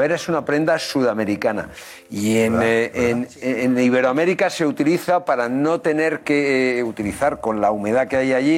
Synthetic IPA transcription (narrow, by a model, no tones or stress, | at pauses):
eɾaesunapɾe̞nd̪asuðame̞ɾikana̰ | ieneneniβ̞e̞ɾoame̞ɾikase̞ut̪iliθapaɾano̞t̪e̞ne̞ɾke̞ut̪iliθaɾko̞nlaume̞ð̞ake̞ajaʝi